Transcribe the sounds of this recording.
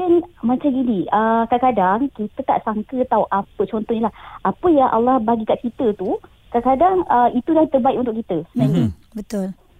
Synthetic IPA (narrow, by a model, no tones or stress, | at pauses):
ɛnmãt͡ʃamɡiniʔəkadakadaŋkit̪ək̪a̰ʔsaŋkət̪auʔapət͡ʃɔnt̪ɔhɲilahʔapəjaŋʔa̰lːɑhbaɡikaʔkit̪ət̪u | kadakadaŋəit̪udaŋt̪ərbaikunt̪̬ʊʔkit̪əsənaɲə | bət̪ʊl